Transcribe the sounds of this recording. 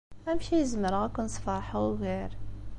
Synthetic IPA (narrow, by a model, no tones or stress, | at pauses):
ʔæmʃijəzməɾɣakʊnsˤfɑɾˤħawɣeːɾ